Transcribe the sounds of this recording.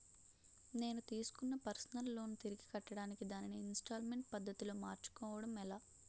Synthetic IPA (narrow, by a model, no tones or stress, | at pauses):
ne̞ːnut̪iːsu̥kunːɐpɐɾsɐnɐlːo̞ːnut̪iɾiɡikɐʈːɐɽaːnikid̪aːniniːnsʈaːlme̞ɳʈ̚pɐd̪ːɐt̪iloːmaːɾt͡ʃu̥kɔːʋɐɽɐmɛlaː